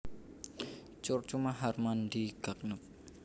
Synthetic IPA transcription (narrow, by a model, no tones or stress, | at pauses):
t͡ʃʊrt͡ʃumaɦarmand̪iɡ̥a̤k̚nəp̚